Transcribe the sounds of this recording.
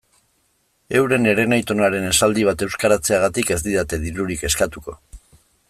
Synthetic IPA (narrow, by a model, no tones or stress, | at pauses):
e̞wɾe̞ne̞ɾe̞najt̪o̞naɾe̞ne̞sald̪iβ̞at̪e̞wskaɾat͡se̞aɣ̞at̪ike̞zd̪iðat̪e̞ðiɾuɾike̞skat̪uko̞